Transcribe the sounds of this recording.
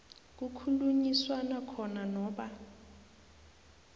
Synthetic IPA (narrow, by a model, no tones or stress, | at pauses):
k̬ukʰuluɲiswanakʰɔnanɔːɓa